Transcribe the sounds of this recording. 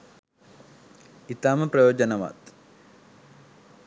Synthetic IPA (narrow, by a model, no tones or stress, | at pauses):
it̪aːməprɐjoːd͡ʒɐnɐʋa̰t̪